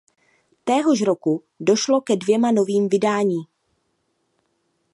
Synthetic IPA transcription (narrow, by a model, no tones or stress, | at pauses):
t̪ɛːɦoʃɾo̞ku | do̞ʃlo̞kɛdvjɛmano̞viːmvɪdaːɲiː